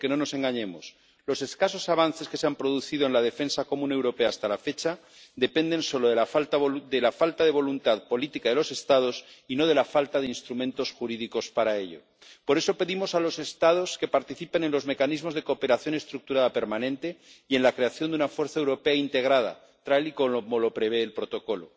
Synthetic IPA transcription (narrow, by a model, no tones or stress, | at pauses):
keno̞no̞se̞ŋɡaɲe̞mo̞̰s | lo̞se̞skaso̞saβ̞anθe̞skese̞ampɾo̞ð̞uθið̞o̞e̞nlað̞efe̞nsako̞mũne̞wɾo̞pe̞aːst̪alafe̞t͡ʃa | d̪e̞pe̞nd̪ẽ̞nso̞loðelafat̪d̪elafalt̪aðe̞β̞o̞lunt̪aðpo̞lit̪ikaðelo̞se̞st̪að̞o̞sino̞ð̞e̞lafalt̪aðeinst̪ɾumẽ̞nt̪o̞sxuɾiðiko̞spaɾae̞ʎo̞̰ | po̞ɾe̞so̞pe̞ðimo̞salo̞se̞st̪að̞o̞ske̞paɾt̪iθipe̞ne̞nlo̞zme̞kanizmo̞zðe̞koːpe̞ɾaθjo̞ne̞st̪ɾuk̚t̪uɾaðape̞ɾmanẽnt̪eie̞nlakɾe̞aθjo̞nd̪unafwe̞ɾθaewɾo̞pe̞aint̪e̞ɣ̞ɾað̞a̰ | t̪ɾaliko̞omolo̞pɾe̞βe̞ːlpɾo̞t̪o̞ko̞lo̞